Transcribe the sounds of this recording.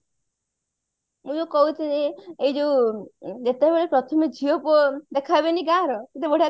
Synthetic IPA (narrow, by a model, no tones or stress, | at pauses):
mũd͡ʒokɔɦut̪ʰineeid͡ʒoud͡ʒet̪ebeɭepɾɔt̪ʰɔmed͡ʒʱiopɔd̪ekʰabeniɡaɾɔket̪eboɽa